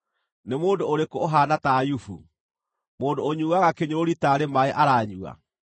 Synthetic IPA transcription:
nemoːndooɾekooɦaːnatajufṵ | moːndooɲuːɣaɣakeɲoɾoɾitaːɾemaeʔaɾaːɲua̰

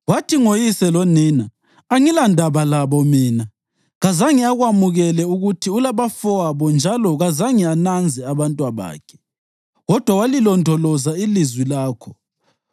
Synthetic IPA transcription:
watʰiŋojisɛlɔniːnaː | ŋilandʱaβalaβɔmiːna | ɣazaŋiaɣwamuɣɛlɛuɣutʰiulaβafɔaβɔnd͡ʒʱalɔɣazaŋianand͡zʱɛaβantʼwaβa̰ːkʰɛ̥ | ɣɔd̥ʱwawalilɔndʱɔlɔzailizwilaːkʰɔ

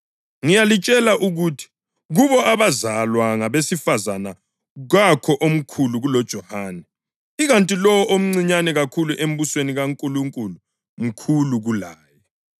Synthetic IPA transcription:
ŋijalit͡ʃʼɛlaʔuɣutʰi̥ | ɣuβɔʔaβazalwaŋaβesifazana | ɣakʰɔʔom̩kʰuluɣulɔd̥ʒ̥ʱɔhaːnɛ | iɣantʼilɔwɔʔom̩ŋ͡ǀiɲanɛɣakʰuluʔem̩βusweniɣaŋkʼuluŋkʼulu | m̩kʰuluɣulaːjɛ

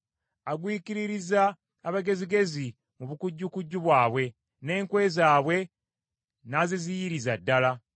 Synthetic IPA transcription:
aɡwiːkiɾiɾizaː | βaɡe̞ziɡe̞zi | muβukuɟːukuɟːuβwaːβwe̞ | ne̞ːŋkwe̞ːzaːβwe̞ | nazizijiɾizadːala

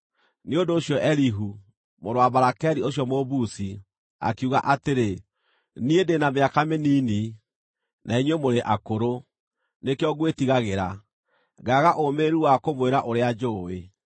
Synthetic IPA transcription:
neondoːɕjɔʔɛɾiɦu | moɾoaβaɾakɛɾioɕjɔmoβusi | a̰kuɣa̰ʔateɾe | niedenameakameniːni | nʔaiɲwemoɾeʔakoɾo | nekeɔɣwetiɣaɣeɾa | ɡaɣaʔomeɾuwakomweɾaʔoɾead͡ʒoːe

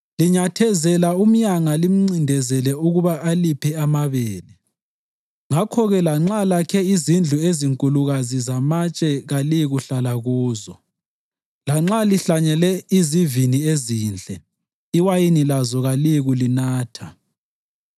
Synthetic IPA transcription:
liɲatʰɛzɛlaum̩ɲaŋalim̩ŋ͡ǀindʱɛzɛlɛuɣuβaʔalipʰɛamaβɛːlɛ | ŋakʰɔɣɛlaŋ͡ǁalakʰɛizind͡ɮʱueziŋkʼuluɣazizamat͡ʃʼɛɣaliɣuɬalaɣuːzɔ | laŋ͡ǁaliɬaɲɛlɛizivinieziːnd͡ɮʱɛ | iwajinilazɔɣaliɣulinaːtʰa

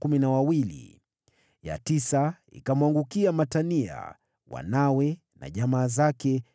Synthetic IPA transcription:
kuminawawilḭ | ja̰tisa | ḭkamwaŋɡukiamatania̰ | wa̰nawɛ | na̰ʄamaːzakɛ

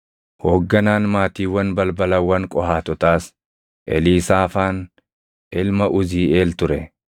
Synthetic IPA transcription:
hoːɡːɐnaːnmaːt̪iːwɐnbɐlbɐlɐwːɐŋkʼɔhaːt̪ɔt̪aːs | ʔɛ̰liːsaːfaːn | ʔɪlmɐʔʊziːe̞ːlt̪ʊɾɛ

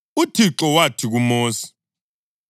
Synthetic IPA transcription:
utʰiǁɔwatʰiɣumoːsi̥

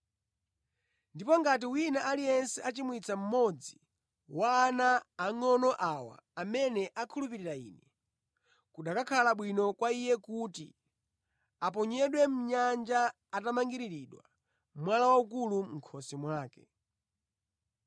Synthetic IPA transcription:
ndipɔŋɡat̬iwinaʔalijɛnsɛat͡ʃimwit͡sʰam̩mɔd͡zi | waːnaːŋɔnɔʔawa̰amɛnɛʔakʰulup̬iɾiɾaḭːnɛ | kuɗakakʰalaɓwinɔkwaijɛkutḭ | ap̬ɔɲɛɗwɛm̩ɲand͡ʒaː | tamaŋɡiɾiɾiɗwa̰ | mwalawaukuluŋ̩kʰɔsɛmwaːkɛ

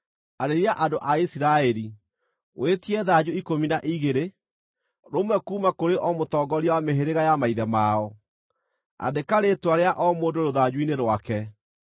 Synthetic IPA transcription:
aɾeɾiaʔadoʔaisiɾaɛɾi | wʔetiɛðad͡ʑuikominaʔiɣeɾe | ɾomwɛkuːmakoɾeʔɔmotɔːɡɔɾiɔwameɦeɾeɣajamaiðɛmaɔ | a̰dekaɾetwaɾeaʔɔmoːndoɾoðad͡ʑuineɾwakɛ

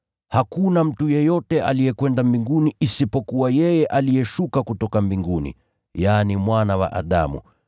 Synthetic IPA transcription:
hakunam̩tujɛjɔtɛʔa̰lijɛkwɛndambiŋɡuniːsipɔkuwajɛjɛʔalijɛʃukakutɔkambiŋɡunḭ | janimwanawa̰ʔa̰ɗa̰mṵ

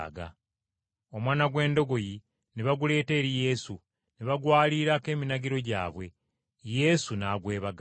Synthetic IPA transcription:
ɡa̰ | o̞mwaːnaɡwe̞ːndo̞ɡo̞ji | neβaɡule̞ːte̞ːɾije̞su | neβaɡwaːliɾake̞ːminaɟiɾo̞ɟa̰ːβwe̞ | je̞sunaːɡwe̞ːβaɡ

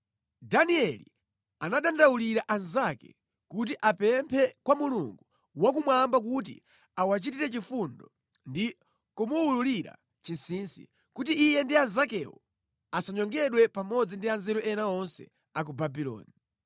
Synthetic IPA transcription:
daniɛlḭ | anaɗandawuliɾaʔanzakɛ̰ | kut̬iʔapɛmpʰɛkwamuluŋɡu | wakumwambak̬ut̬ḭ | awat͡ʃitiɾɛt͡ʃifundɔ | ndi | kumuululiɾa̰ | t͡ʃinsiːnsḭ | kut̬iːjɛndianzakɛwɔ̰ | asaɲɔŋɡɛɗwɛpamɔd͡zindianzɛɾuʔɛnaɔnsɛ̰ | ak̬ubabilɔ̰ːni

